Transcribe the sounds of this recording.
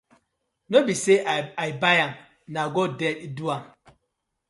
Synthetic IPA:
nobiseaibajaŋ | naɡɔdɛtiduaŋ

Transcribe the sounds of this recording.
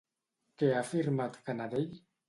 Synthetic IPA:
keafiɾmat̪kanad̪eʎ

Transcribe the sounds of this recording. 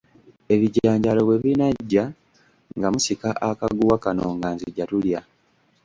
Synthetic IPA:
e̞βiɟaːɲɟalo̞βwe̞βinaɟːa | ŋɡamusikaʔakaɡuwakano̞ŋɡaːnziɟːatulja

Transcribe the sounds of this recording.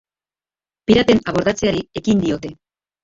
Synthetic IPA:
piɾape̞naβo̞ɾðat͡se̞aɾie̞kind̪io̞t̪e̞

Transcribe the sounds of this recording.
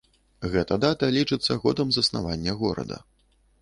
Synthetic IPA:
ɣɛt̪ɐd̪at̪ɐlʲit͡ʂɨt̪sːɐɣɔd̪ɐmzɐsna̰vanʲːɐɣɔɾɐ̰d̪ɐ̰

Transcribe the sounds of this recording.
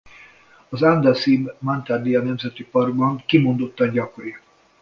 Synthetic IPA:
ɒzand̪asimːant̪ard̪iɒnɛmzɛt̪ipɒrɡ̚bɒŋkimo̞nd̪o̞t̪ːɒɟɒkoɾi

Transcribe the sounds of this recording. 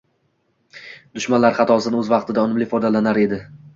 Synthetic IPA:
d̪ʊʃmanlaɾχɑt̪ʰɒsɪnɪɵzvɑqt̪ʰɪd̪aɒnɪmlɪfɒd̪alanaɾe̞d̪ɪ

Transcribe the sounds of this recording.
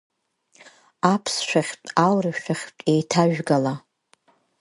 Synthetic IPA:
apʰsʃʷᶣaχʲtʼawrɨʃaχʲtʼejtʰaʒᶣɡala

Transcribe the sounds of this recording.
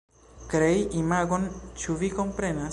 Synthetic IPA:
kɾeiʔimaɡo̞nt͡ʃuviko̞mpɾe̞na

